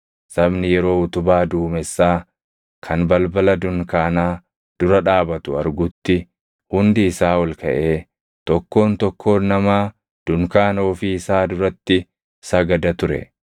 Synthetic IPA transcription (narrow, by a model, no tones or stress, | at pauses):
sɐbnɪjɛɾo̞ːʊt̪ʊbaːd̪uːmɛsːaː | kʰɐnbɐlbɐlɐd̪ʊŋkaːnaː | d̪̥ʊɾɐᶑaːbɐt̪ʊɐɾɡʊt̪ːɪ | hʊnd̪ɪːsaːwɔlkɐʔe̞ː | t̪ɔkːo̞ːnt̪ɔkʰːo̞ːnːɐmaː | d̪̥ʊŋkaːno̞ːfɪɪsaːd̪ʊɾɐt̪ːɪ | sɐɡɐd̪ɐt̪ʊɾɛ̰